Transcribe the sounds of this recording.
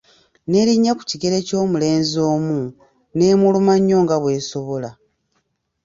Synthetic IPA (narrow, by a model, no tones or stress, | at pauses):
ne̞ɾiɲːaku̥ciɡeɾe̞co̞ːmule̞ːnzo̞ːmu | ne̞ːmulumaɲːo̞ːŋɡaβwe̞ːso̞βo̞la